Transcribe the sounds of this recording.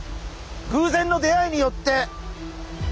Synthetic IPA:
ɡɯ̟ːzẽ̞nːo̞d̪e̞aiɲ̟ijo̞t̪ːe̞

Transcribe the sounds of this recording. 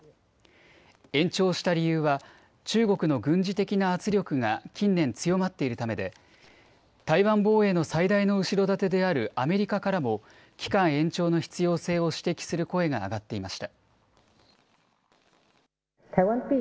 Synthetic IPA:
ẽ̞ɲt͡ɕo̞ːɕi̥t̪aɾʲijɯ̟ːβa | t͡ɕɨːɡo̞kɯ̟no̞ɡɯ̟̃ɲ̟d͡ʑit̪e̞kʲinaːt͡sɨɾʲo̞kɯ̟ŋakʲĩnːẽ̞nt͡sɨjo̞mat̪ːe̞iɾɯ̟t̪ame̞d̪e̞ | t̪aiβãmbo̞ːe̞no̞said̪aino̞ɯ̟ɕiɾo̞d̪at̪e̞d̪e̞aɾɯ̟ʔame̞ɾʲikakaɾamo̞ | kʲi̥kãɰ̃ẽ̞ɲt͡ɕo̞ːno̞çi̥t͡sɨjo̞ːse̞ːo̞ɕi̥t̪e̞kʲi̥sɨɾɯ̟ko̞e̞ɡa̰ːɡat̪ːe̞imaɕi̥t̪a | t̪ʰawãnpʲi

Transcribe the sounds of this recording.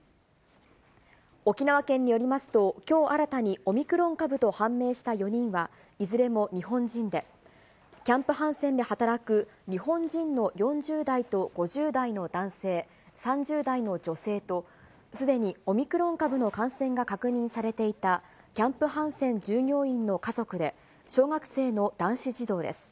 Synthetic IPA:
o̞kʲinaβakẽ̞ɲ̟ːijo̞ɾʲimasɨ̥t̪o̞kʲo̞ːʔaɾat̪aɲ̟io̞mʲikɯ̟ɾõ̞ŋkabɯ̟t̪o̞hãmːe̞ːɕi̥t̪ajo̞ɲ̟ĩɰ̃βa | izɨɾe̞mo̞ɲ̟iɦõ̞ɲd͡ʑĩnd̪e̞ | kʲãmpɯ̟ɦãɰ̃sẽ̞nd̪e̞hat̪aɾakɯ̟ɲ̟ihõ̞ɲd͡ʑĩnno̞jõ̞ɲd͡ʑɨːd̪ait̪o̞ɡ̥o̞ʑɨːd̪aino̞d̪ãɰ̃se̞ː | sãɲd͡ʑɨːd̪aino̞d͡ʑo̞se̞ːt̪o̞ | sɨd̪e̞ɲ̟io̞mʲikɯ̟ɾõ̞ŋkabɯ̟no̞kãɰ̃sẽ̞ŋɡakakɯɲ̟ĩɰ̃saɾe̞t̪e̞it̪a | kʲãmpɯ̟ɦãɰ̃sẽ̞ɲ̟d͡ʑɨːɲʲo̞ːĩnnːo̞kazo̞kɯ̟d̪e̞ | ɕo̞ːɡakɯ̟̥se̞ːno̞d̪̥ãɰ̃ɕiʑid̪o̞ːd̪e̞̰sɨ̥

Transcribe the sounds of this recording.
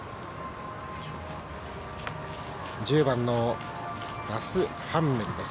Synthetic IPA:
d͡ʑɨːbãnːo | ɾasɨ | hãmːeɾɯd̪e̞s

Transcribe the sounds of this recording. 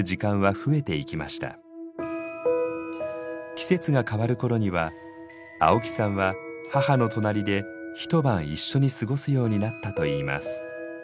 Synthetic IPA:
ɯʑikãɰ̃βaɸɯ̟e̞t̪e̞ikʲimaɕi̥t̪a̰ | kʲi̥se̞t͡sɨɡakaβaɾɯ̟ko̞ɾo̞ɲ̟iβa | a̰o̞kʲi̥sãɰ̃βahahano̞t̪o̞naɾʲid̪e̞çi̥t̪o̞bãɰ̃iɕːo̞ɲ̟isɨɡo̞sɨjo̞ːɲ̟inat̪ːat̪o̞iːma̰sɨ̥

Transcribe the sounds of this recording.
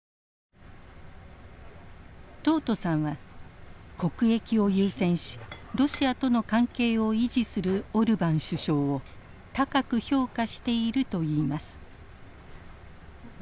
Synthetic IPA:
t̪o̞ːt̪o̞sãɰ̃βa | ko̞kɯ̟e̞kʲio̞jɯːsẽ̞ɰ̃ɕi̥ɾo̞ɕiat̪o̞no̞kãŋke̞ːo̞iʑisɨɾɯ̟o̞ɾɯ̟bãɰ̃ɕɨɕo̞ːo | t̪akakɯ̟ço̞ːkaɕi̥t̪e̞iɾɯ̟t̪o̞iːmasɨ̥

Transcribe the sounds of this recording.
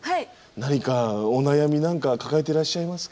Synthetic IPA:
ha | naɲ̟ikao̞najamʲinãŋkakakae̞t̪e̞ɾaɕːaimasɨ̥k

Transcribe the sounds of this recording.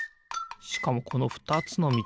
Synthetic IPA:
ɕi̥kamo̞kʰo̞no̞ɸɯ̟̥t̪at͡sɨno̞mʲi

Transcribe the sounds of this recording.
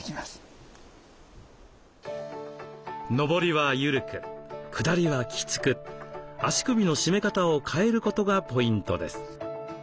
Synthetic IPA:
kʲimas | no̞bo̞ɾʲiβajɯ̟ɾɯ̟kɯ̟kʰɯ̟d̪aɾʲiβakʲi̥t͡sɨ̥kɯ̟aɕi̥kɯ̟bʲino̞ɕime̞kat̪aokʰae̞ɾɯ̟ko̞t̪o̞ɡapo̞ĩnt̪o̞̰d̪e̞̰sɨ̥

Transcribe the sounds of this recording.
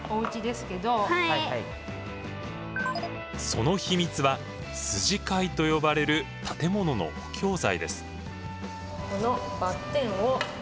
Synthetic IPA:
oɯ̟t͡ɕid̪e̞sɨ̥ke̞d̪o̞haiaai | so̞no̞çimʲit͡sɨβa | sɨʑikait̪o̞jo̞baɾe̞ɾɯ̟t̪ʰat̪e̞mo̞no̞no̰o̥kʲʰo̞ːzaid̪e̞sɨ̥ | ko̞nobat̪ːẽ̞ɰ̃o

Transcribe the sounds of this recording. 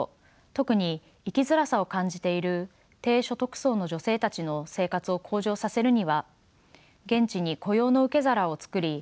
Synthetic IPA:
t̪o̞kɯ̟ɲ̟iː | kʲizɨɾasao̞kãɲ̟d͡ʑit̪e̞iɾɯ̟ | t̪e̞ːɕo̞t̪o̞kɯ̟̥so̞ːno̞ʑo̞se̞ːt̪at͡ɕino̞se̞ːkat͡sɨo̞kʰo̞ːʑo̞ːsase̞ɾɯ̟ɲ̟iβa | ɡẽ̞ɲt͡ɕiɲ̟iko̞jo̞ːno̞ɯ̟ke̞zaɾao̞t͡sɨ̥kɯ̟ɾʲi

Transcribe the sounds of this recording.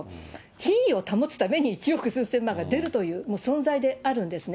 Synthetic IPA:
çĩio̞t̪amot͡sɨ̥t̪ame̞ɲ̟iːt͡ɕijo̞kɯ̟sɨːsẽ̞mːãŋɡad̪e̞ɾɯ̟t̪o̞jɯ̟ːmoːsõ̞ñd͡zaid̪e̞aɾɯ̟̃nd̪e̞sɨn

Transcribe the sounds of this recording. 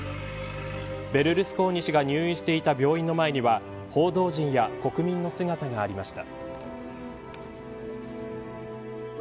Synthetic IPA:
be̞ɾɯ̟ɾɯ̟sɨ̥ko̞ːɲ̟iɕiɡaɲ̟ɨːĩɕi̥t̪e̞it̪abʲo̞ːĩnːomae̞ɲ̟iβa | ho̞ːd̪o̞ːʑĩɰ̃jako̞kɯ̟mʲĩnːo̞sɨɡat̪aɡaːɾʲimaɕi̥t̪a

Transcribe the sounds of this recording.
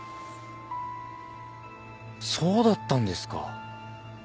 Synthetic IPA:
so̞ːd̪at̪ːãnd̪e̞sɨ̥ka̰

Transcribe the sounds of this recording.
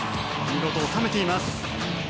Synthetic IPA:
mʲiɡo̞t̪oːt̪ame̞t̪e̞imasɨ̥

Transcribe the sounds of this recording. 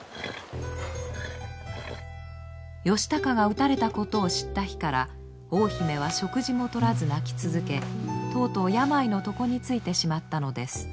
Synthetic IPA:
jo̞ɕi̥t̪akaɡaɯ̟t̪aɾe̞t̪ako̞t̪o̞ːɕi̥t̪ːaçi̥kaɾa̰ | o̞ːçime̞β̞aɕo̞kɯ̟ʑimo̞t̪o̞ɾazɨnakʲi̥t͡sɨzɨke̞t̪o̞ːt̪o̞ːjamaino̞t̪o̞ko̞ɲ̟it͡sɨit̪e̞ɕimat̪ːano̞d̪e̞sɨ̥

